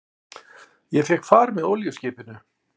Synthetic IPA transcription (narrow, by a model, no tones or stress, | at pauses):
jɛfɛhkfaːɾmɛðowljʏscɪːpɪnʏ